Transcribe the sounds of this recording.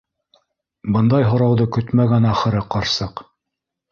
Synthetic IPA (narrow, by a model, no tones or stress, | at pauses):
bɤnd̪ɑjɦŏɾɑwðɤkɵt̪mæɡænæχɘ̆ɾɤqɑɾsɤq